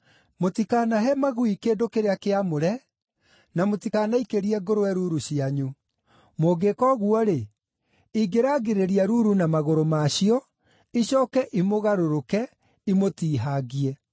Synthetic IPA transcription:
motikaːnaɦɛmaɣuikeːdokeɾeakeamoɾɛ | namotikanaikeɾiɛɡoɾowɛɾuɾuɕiaɲu | moːɡekɔɣuɔɾe | iɡeɾaːɡeɾeɾiaɾuɾunamaɣoɾomaɕiɔ | iɕɔːkɛʔimoɣaɾoɾokɛ | imotiːɦaɣiɛ

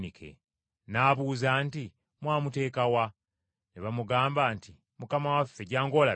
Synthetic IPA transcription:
nikʰḛ | naːβuːzaːnti | mwaːmute̞ːkawa | neβamuɡaːmbaːnti | mukamawafːe̞ɟaːŋɡo̞ːla

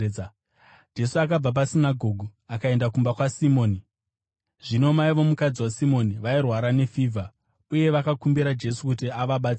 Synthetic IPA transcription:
d͡ʒe̞suakab͡vap̬asinaɡʱo̞ːɡʱuakae̞ndakumbakwasimo̞ːni | ʐino̞maiʋo̞mukad͡ziwasimo̞niʋairwaɾane̞fiːvʱa | uje̞ʋakakumbiɾad͡ʒe̞sukutiaʋaɓat͡s

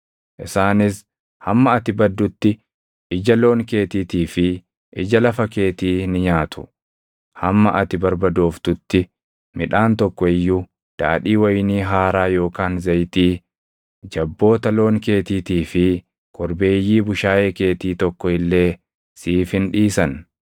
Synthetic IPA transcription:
ʔɪsaːnɪs | hɐmːɐɐt̪ɪbɐd̪ːʊt̪ːɪ | ɪd͡ʒɐlo̞ːŋke̞ːt̪iːt̪iːfɪ | ʔɪd͡ʒɐlɐfɐke̞ːt̪iːnɪɲaːt̪ʊ̥ | hɐmːɐ̰ʔɐt̪ɪbɐɾbɐd̪oːft̪ʊt̪ːɪ | mɪᶑaːnt̪ɔkːɔɪjːu | d̪̥a̰ːᶑiːwɐjniːɦaːɾaːjo̞ːkaːnzɐjt̪iː | d͡ʒɐbːo̞ːt̪ɐlo̞ːŋke̞ːt̪iːt̪iːfɪ | kʰɔɾbe̞ːjːiːbʊʃaːjeːke̞ːt̪iːt̪ɔkːɔɪlːe̞ː | siːfɪnᶑiːsɐn

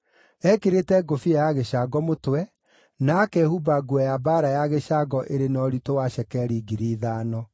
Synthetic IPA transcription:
ɛkeɾetɛɡofiajaɣeɕaɡɔmotwɛ | nakɛhubaɡuɛjabaːɾajaɣeʃaɡɔʔeɾenɔɾitowaɕɛkɛɾiɡiɾiːðaːnɔ

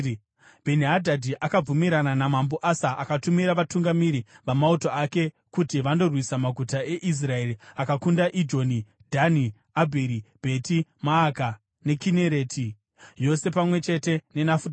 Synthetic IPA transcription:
b̥ʱe̞niɦadʱadʱiʔakab͡vumiɾananamambo̞ʔasaʔakatumiɾaʋatuŋɡamiɾiʋamautoake̞ | kutiʋando̞rwisamaɡʱutae̞ʔis̬rae̞ɾiakakundaʔid͡ʒo̞ni | dʱani | abʱeɾib̥ʱe̞timaːka | ne̞kineɾe̞ːtʰi | jo̞se̞pamwe̞t͡ʃe̞te̞ne̞nafu

